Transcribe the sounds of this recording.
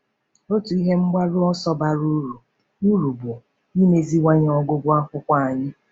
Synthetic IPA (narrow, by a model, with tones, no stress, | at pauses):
o˦tu˨i˦ɦe˦ŋ͡m̩˦ɡ͡ba˦ɾʊ˦ɔ˦sɔ˦ba˨ɾu˦ɾu˨ | u˦ɾu˨bʊ˨ | ɲi˦me˨zi˦wʷa˦ɲ˦ɔ˦ɡʊ˦bʊ˦a˦kʷʊ˦kʷa˦˨a˨ɲɪ˦